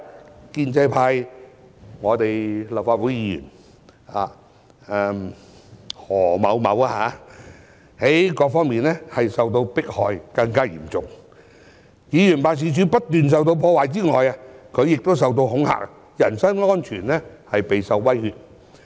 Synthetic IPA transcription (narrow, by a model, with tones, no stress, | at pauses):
kiː˧nt͡sɐ˧jpʰaː˧j | ŋɔː˨˧t̪e˨jlɐ˨wfaː˧t̚wu˨˥jiː˧jy̰˨˩n | a̰ː˨ | ɛ˧m | hɔː˨˩mɐ˨˧wmɐ̰˨˥wa˧haː˨˧˥ | he˨˥jkɔː˧k̚fɔː˥ŋmiː˨nlɛ˥hɐ˨jsɐ˨wt̪̬o˧wpɪ˥k̚hɔː˨jkɐ˧ŋkaː˥jḭː˨˩mt͡sʊ˨ŋ | jiː˨˧jy˨˩npaː˨ns̬iː˧t͡ʃyː˨˥pɐ˥t̚t̪yː˨ns̬ɐ˨wt̪̬o˧wpʰɔː˧waː˨jt͡siː˥ŋɔː˨ja˧kʰɵ˨˧ɥjɪ˨k̚t̪o˥ws̬ɐ˨wt̪o˧whʊ˨˥ŋha̰ː˨˩k̚ | jɐ˨˩nsɐ˥nŋɔː˥nt͡ʃʰyː˨˩nlɛ˥hɐ˨jpe˨jsɐ˨˧wːɐ˥jhyː˧t̚